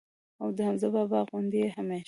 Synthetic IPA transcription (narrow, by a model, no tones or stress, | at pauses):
awd̪əhamzəbɑbɑɣund̪ehame